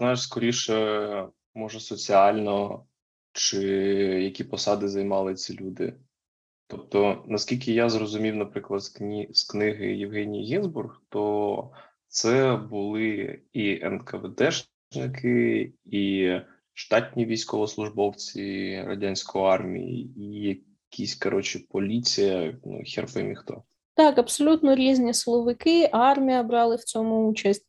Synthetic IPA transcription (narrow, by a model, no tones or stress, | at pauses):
znɑjɪʃskɔɾʲiʃɛ | mɔʒɛsɔt͡sʲiɑlʲnɔ | t͡ʃɪjɐkʲipɔsɑd̪ɪzɐjmɑlˠɪt͡sʲilʲud̪ɪ̰ | t̪ɔp̚t̪ɔnɐskʲilʲkɪjazrɔzʊmʲiwnɐpɾɪklˠɐd̪sʲsknɪɦɪ̰jɪwɦɛnʲijiɦʲinzburxt̪ɔ | t̪sɛbʊlˠɪiɛ̰nkɐʋed̪ɛʒ | nɪkɪi | ʃt̪ɑtʲnʲiʋʲijsʲkɔʋɔslˠʊʒbɔwt͡sʲiɾɐ̰dʲanʲsʲkɔjɔɑrmʲḭjḭijɐ | kʲʰisʲkɐɾʔɔt͡ʃɪpɔlʲit͡sʲijɐn̰xʲɛrpɪmʲixt̪ɔ̰ | t̪ɑkɐbsɔlʲut̪nɔɾʲizʲnʲislˠɔʋɪkɪʔɑrmʲijɐbɾɑlˠɪwt͡sʲɔmʊut͡ʃɐsʲtʲ